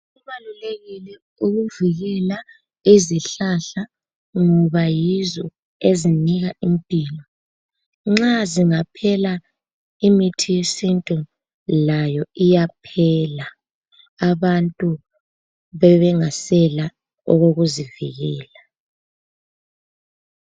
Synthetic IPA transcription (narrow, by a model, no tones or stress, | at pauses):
uβaluleɣilɛ | uɣuviɣɛla | iziɬaɬa | ŋɔβajizɔ | eziniɣaimpʼiːlɔ | ŋ͡ǁaziŋapʰɛla | imitʰijesintʼu | lajɔijapʰɛlaː | βantʼu | βɛβɛŋasɛla | ɔ̰ɣoɣuzivḭɣɛːla